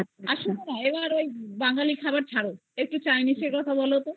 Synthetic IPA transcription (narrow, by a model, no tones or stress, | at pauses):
aʃunenaebaɾojbaŋalikʰabaɾt͡ɕʰaɽo | ek̚ʈut͡ɕajniseɾkɔt̪ʰabɔlot̪o